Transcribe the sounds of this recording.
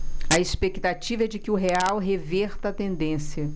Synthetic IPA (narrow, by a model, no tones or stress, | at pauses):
ɐespekt̪at͡ʃivɐɛd͡ʒɪkɪʊɦeawɦevɛɾt̪ɐt̪ẽnd̪ẽsjɐ